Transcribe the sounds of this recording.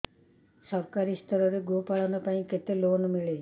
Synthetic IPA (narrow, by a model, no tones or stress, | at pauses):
səɾkaɾist̪ʰəɾɔɾeɡopaɭɔnupaĩket̪elonmiɭe